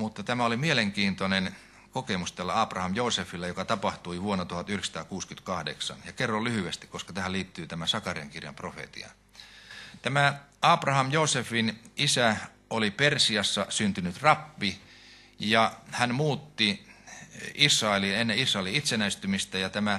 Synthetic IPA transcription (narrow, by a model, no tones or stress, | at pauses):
mut̪ːɑt̪æmæolimieleŋkiːnt̪onen | kokemust̪ælːæɑːprɑhɑmjoːsefilːɑjokɑt̪ɑpɑht̪uiʋuonːɑt̪uhɑt̪yhlĕksɑ̥t̪ɑːkuːskynt̪kɑhdḛksɑ̰njɑkerːollyhyest̪i̥kkoskɑt̪æhæliːt̪ːyːt̪æmæsɑkɑriɑ̰ŋkirjɑ̰mprofḛt̪ḭɑ̰ | t̪æmæɑːprɑhɑmjosefinisæ | ʔolipersiɑsːɑsynt̪ynyt̪rɑpːi | jɑhænmuːt̪ːi | isrɑelinenːeisrɑeliit̪senæist̪ymist̪æjɑt̪æmæ